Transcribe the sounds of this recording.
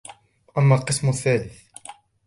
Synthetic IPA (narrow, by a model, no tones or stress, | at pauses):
ʔæmːalqəsˤmʊθːælɪθ